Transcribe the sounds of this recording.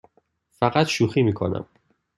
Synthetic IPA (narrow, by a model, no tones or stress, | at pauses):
fæɢæt̪ʃuːxiːmiːkʰonæ̰m